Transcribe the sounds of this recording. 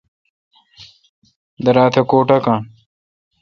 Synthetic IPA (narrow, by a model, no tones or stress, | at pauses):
d̪ɐɾaːt̪ʰekoːʈɐkã